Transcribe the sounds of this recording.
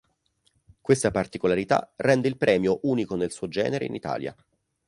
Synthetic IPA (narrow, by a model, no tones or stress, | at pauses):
kwest̪apart̪ikolaɾit̪a̰rːɛnd̪eilpɾɛːmjoʔuːnikonelsuːod͡ʒɛ̰ːneɾḛinit̪a̰ːlja̰